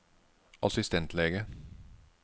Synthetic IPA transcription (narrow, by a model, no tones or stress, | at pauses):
ʔɑ̰sɪst̪ɛnt̪ʰleːɡə